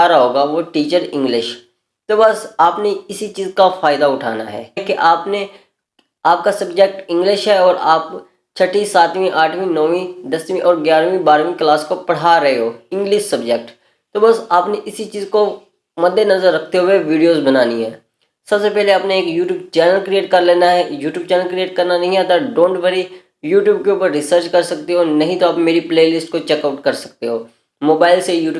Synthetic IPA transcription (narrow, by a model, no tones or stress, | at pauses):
aːɾaɦoːɡaʋoʈiːt͡ʃəɾɪ̃ŋɡlɪʃ | t̪oːbɐsaːpneɪsit͡ʃiːzkafaːɪd̪aʊʈʰa̰ːna̰ɦɛ̰ːkeʔaːpne | aːp̚kasɐbd͡ʒek̚ʈɪ̃ŋɡlɪʃɦɛɔːɾaːp | t͡ʃʰɐʈĩsaːt̪mĩʔaːʈʰʋĩnɔːʋĩd̪ɐswĩʔɔːɾɡjaːɾʋĩbaːɾʋĩklaːskopɐɽ̤aːɾɐɦeɦoːɪ̃ŋɡlɪʃsɐbd͡ʒeːk̚ʈ | t̪oːbəsaːpneʔɪsit͡ʃiːzko | mɐd̪ːenɐzəɾːɐk̚ʰt̪eɦʊeʋiːɖijoːzbənaːniɦɛː | sɐbsepɛɦleaːpneeːkjuːʈjuːb̚t͡ʃɛːnəlkɾieːʈkɐɾleːnaɦɛjuːʈjuːbt͡ʃɛːnəlkɾieːʈ̚kɐɾnanɐɦĩɦɛt̪aɖõːɳʈʋəɾi | juːʈjuːb̚keuːpəɾːɪsəɾt͡ʃkɐɾsɐk̚t̪eɦoːnɐɦĩt̪oaːpmeːɾipleːlɪsʈkot͡ʃɛːkaːʊʈkɐɾsɐ̥k̚t̪eɦoː | moːbaːɪlsejuːʈː